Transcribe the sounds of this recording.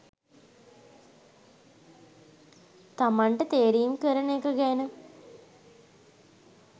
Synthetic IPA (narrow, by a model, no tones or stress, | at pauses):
t̪amaɳʈət̪eːɾijumkəɾənekəɡænə